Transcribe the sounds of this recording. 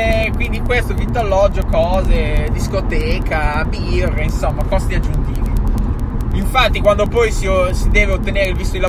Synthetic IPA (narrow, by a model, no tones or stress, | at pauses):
kwind̪ikwest̪ovit̪ːoalːɔd͡ʒokɔːzed̪iskot̪ɛːkʰabirːeinsomːakɔst̪iad͡ʒːunt̪iːvi | iɱfat̪ːikwand̪opɔjsiosid̪eːveot̪ːeneːɾeilvist̪od̪ila